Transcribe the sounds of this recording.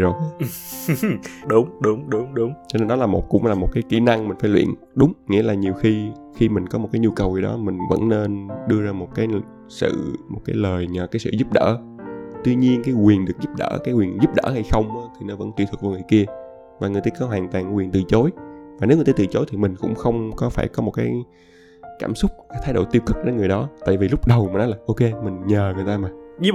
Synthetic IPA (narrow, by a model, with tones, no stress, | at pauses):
zo˨˩˨ | ɗʊ˨˦ŋ͡mɗʊ˨˦ŋ͡mɗʊ˨˦ŋ͡mɗʊ˨˦ŋ͡mt͡ɕɔ˧e˧nɗɔ˨˦laː˨˩mo˨˩t̚kʊ̰˧˥ŋ͡mlaː˨˩mo˨t̚kaː˨˦jki˧˩na˧ŋmï˨˩ŋ̟faː˧˦jlwḭ˧˨ən | ɗʊ˨˦ŋ͡mŋḭ˧˥laː˨˩ɲi˨˩əwxi˧ | xi˧mï˨˩ŋ̟kɔ˨˦m˨˩t̚kaː˨˦jɲu˧kə˨˩wi˨˩ɗɔ̰˨˦mï˨˩ŋ̟və̰˧˥nne˧nɗɨ˧əzaː˧mo˨˩t̚kaː˨˦j | sɨ̰˧˨mo˨˩t̚kaː˨˦jləː˨˩jɲə˨˩kaː˨˦jsɨ̰˧˨zu˦˥p̚ɗə̰ː˧˥ | t̪wi˧ɲi˧ənkaː˨˦jkwi˨˩ənɗɨ˨˩ək̚zu˦˥p̚ɗə̰ː˧˩kaː˨˦jkwi˨˩ənzu˦˥p̚ɗə̰ː˧˥ha˧jxə˧wŋ͡maː˨˦t̪ʰi˨˩nɔ˨˦və̰˧˥nt̪wi˧˨t̪ʰɨ˨˩k̚vaː˨˩ŋɨ˨˩jki˧ə | vaː˨˩ŋɨ˨˩əjt̪aː˧˩kɔ˨˦ɦwaː˨˩nt̪waː˨˩ŋwi˨˩ənt̪ɨ˨˩t͡ɕo˨˦jvaː˨˩e˨˦wŋ˨˩t̪a˧t̪ɨː˨˩t͡ɕo˨˦jt̪ʰi˨˩mï˨˩ŋ̟kʊ̰˧˥ŋ͡mxə˧wŋ͡mkɔ˨˦faː˧˩jkɔ˨˦mo˨˩t̚kaː˨˦j | kaː˧˩msʊ˦˥k͡p̚kaː˨˦jt̪ʰaː˨˦jɗo̰˧˩t̪i˧wkɨ˦˥k̚ɗe˧˨˦nŋɨ˨˩jɗɔ˨˦t̪a̰ː˧˨jvi˨˩lʊ˦˥k͡p̚ɗə˨˩wmi˨˩nɔ˨˦laː˨˩ʔo˧ke˧mï˨˩ŋ̟ɲəː˨˩ŋɨ˨˩əjt̪aː˧maː˨˩